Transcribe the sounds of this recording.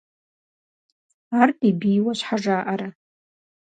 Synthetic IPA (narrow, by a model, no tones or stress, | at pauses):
artʼibijwaʃʷħaʐaːʔaɾa